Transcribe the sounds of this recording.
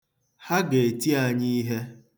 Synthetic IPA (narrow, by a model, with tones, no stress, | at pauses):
ha˦ɡe˨e˨ti˦a˨ɲi˦ɦe˦